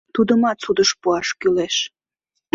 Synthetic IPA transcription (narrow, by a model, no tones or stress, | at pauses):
t̪ud̪əmɑt̪sud̪əʃpuɑʃkyleʃ